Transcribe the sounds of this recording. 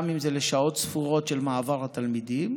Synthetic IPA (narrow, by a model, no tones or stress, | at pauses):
mimzeleʃao̞t̪sfuʁo̞tʃe̞lmaːvaʁhat̪almid̪im